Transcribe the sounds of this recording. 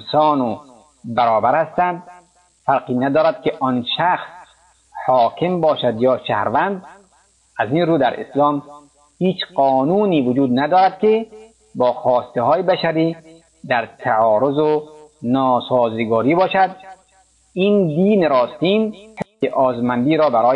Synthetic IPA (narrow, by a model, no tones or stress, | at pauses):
sɒːno | bæɾɔːbæɾhæst̪ænd̪ | fæɾqiːnæd̪ɒːɾæd̪̚keʔɔnʃæxs | hɒːkʰembɒːʃæd̪jɒːʃæhɾvænd̪ | ʔæzinɾuːd̪æɾḛslɒːm | hiːt͡ʃqɒːnuːniːvʊd͡ʒuːd̪nad̪ɒːɾæd̪ke | bɒːxɔːst̪eɦɔːjebæʃæɾiː | d̪æɾt̪ʰaɔːɾozonɒːsɔːziɡɔːɾiːbɒːʃæd̪ | ind̪iːnɾɔːst̪iːmeʔɒːzmænd̪iːɾɒːbæɾɒː